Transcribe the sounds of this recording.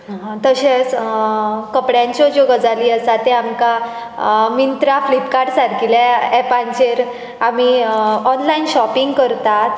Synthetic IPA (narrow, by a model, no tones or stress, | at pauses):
ɦãt̪əɕẽt͡s | kəpɽjãɲt͡ɕɔd͡ʑoɡəd͡zaliːəsat̪eamka | mint̪ɾaflipkaɾʈsaɾkilaɛpãɲt͡ɕeɾ | amiɔnlainɕɔpiŋɡkəɾt̪at̪